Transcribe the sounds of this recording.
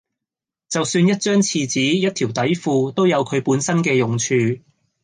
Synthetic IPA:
t͡sɐ˨wsyː˧njɐ˥t̚t͡ʃœː˥ŋt͡sʰiː˨˧t͡siː˨˥jɐ˥t̪̚ʰiː˨˩wt̪ɐ˨˥jfuː˧t̪o˥wjɐ˨˧wkʰɵ˨˧ɥpuː˨˥nsɐ˥nkɛː˧jʊ˨ŋt͡ʃʰyː˧

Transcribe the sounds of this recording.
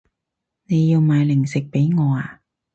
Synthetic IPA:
ne˨˧jːiː˧wmaː˨˧jlɪ˨˩ŋsɪ˨k̚pe˨˥jŋɔː˨˧aː˧

